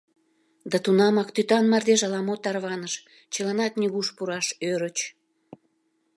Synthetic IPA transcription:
d̪ɑt̪unɑmɑkt̪yt̪ɑnmɑrd̪eʒɑlɑmot̪ɑrβɑnəʃ | t͡ɕəlɑnɑt̪nʲiɣuʃpuɾɑʃøɾət͡ɕ

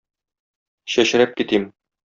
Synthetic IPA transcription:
ɕæɕ̆ɾæp̚kit̪im

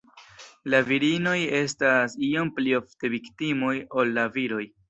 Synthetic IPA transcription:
laviɾino̞je̞stasio̞mplio̞fte̞viktimojo̞lːaviɾo̞j

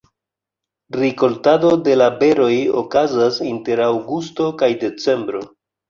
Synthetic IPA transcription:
ɾiko̞ltado̞de̞labe̞ɾo̞jo̰kazasinte̞ɾawɡusto̞kajde̞t͡se̞mbɾo̞

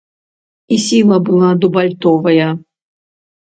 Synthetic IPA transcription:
isʲilˠɐbɨlˠad̪ubɐlʲt̪ɔvɐjɐ

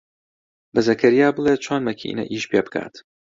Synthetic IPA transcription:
bɐzɐkʰɐɾijaːbɨlˠeːt̪̚t͡ʃʰonmɐkʰḭnɐ̰ʔiːʃpʰeːbɨ̥kʰa̰ːt̪

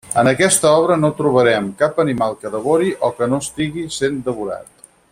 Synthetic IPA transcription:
ənəkɛst̪əɔβ̞ɾənot̪ɾuβ̞əɾɛmkapənimalˠkəðəβoɾiʔɔkənoəst̪iɣisend̪əβuɾa̰t̪̚

